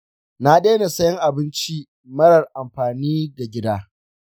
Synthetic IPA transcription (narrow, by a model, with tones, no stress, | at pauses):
na˦ɗeː˦na˨sɐ˦jɪ˦ŋʔa˨bɪ˦nt͡ʃi˦ | mɐ˦ɽɐ˨rʔa˨mɸaː˨niː˦ɡa˨ɡʲɪ˦daː˦